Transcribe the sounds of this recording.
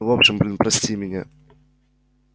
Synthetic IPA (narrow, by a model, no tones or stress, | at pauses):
vopɕɪmblʲɪnpɾɐsʲtʲimʲɪnʲa̰